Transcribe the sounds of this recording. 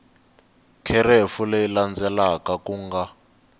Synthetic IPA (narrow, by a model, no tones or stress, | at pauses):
kʰɛrefuleiland͡zɛlakakuŋɡa